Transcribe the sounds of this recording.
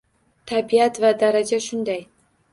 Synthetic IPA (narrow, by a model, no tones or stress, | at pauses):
t̪ʰabiat̪vad̪aɾad͡ʒaʃʊnd̪aj